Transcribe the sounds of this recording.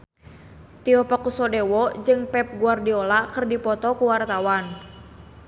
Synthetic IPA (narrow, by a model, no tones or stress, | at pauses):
t̪iɔpɔkusɔdɛwɔd͡ʒɨŋpɛp̚ɡuardiɔlakɨrdipɔt̪ɔkuwart̪awan